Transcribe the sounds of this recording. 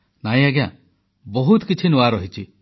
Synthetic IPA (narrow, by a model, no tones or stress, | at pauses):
naj̃aɡejã̰ | bɔɦut̪kit͡ʃʰinuaɾɔɦit͡ʃʰi